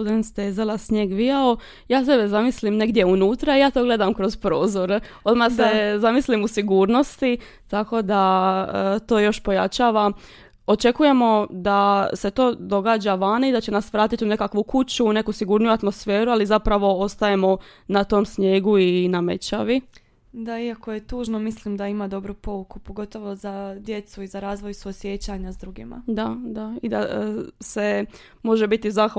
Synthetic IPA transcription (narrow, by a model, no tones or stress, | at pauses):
ud̪enst̪eːzelˠasɲeːɡʋijao | jaːs̬ebezamislimne̞ɡd̪je̞unuːt̪ɾaijaːt̪o̞ːɡle̞d̪amkɾo̞zpɾo̞ːzoɾo̞d̪masezamislimusiɡuːɾno̞st̪i | t̪ako̞d̪aət̪o̞ːjo̞ʃpo̞jat͡ʃaːʋa | o̞t͡ʃe̞kuje̞mo̞d̪ase̞t̪o̞ːd̪o̞ɡaːd͡ʒaʋanoid̪at͡ɕe̞nasʋɾaːt̪it̪une̞kakʋukut͡ɕuːne̞kusiɡuɾnujuat̪mo̞sfe̞ːɾualizapɾaʋo̞o̞st̪aje̞mo̞ | nat̪o̞msɲe̞ːɡuiname̞t͡ɕaʋi | d̪aiakoje̞t̪uːʒnomislimd̪aimad̪o̞bɾupo̞ukupoɡo̞t̪o̞ʋo̞zad̪je̞t̪suizaɾaːzʋo̞jsosje̞t͡ɕaɲaszd̪ɾuɡima̰d̪ad̪aid̪ase̞ | mo̞ʒebit̪izax